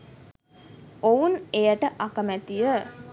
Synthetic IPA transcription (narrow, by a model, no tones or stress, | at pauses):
ounejəʈəʔakəmæt̪ijə